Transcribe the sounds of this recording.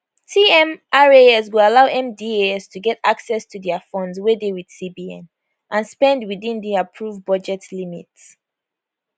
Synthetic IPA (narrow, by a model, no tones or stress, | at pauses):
tʰiɛ̃mʔaɹeɛswialaʊʔɛ̃mdieɛstʰuɡɛtaksɛstʰuðɛəfɔ̃ndzwɛdewid̥sibiɛ̰̃n | ʔãnspɛ̃ndwiðĩnðiapʰɹuvbʌd͡ʒɛtlimḭts